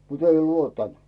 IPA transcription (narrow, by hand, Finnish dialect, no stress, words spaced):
mut ei luotːɑnt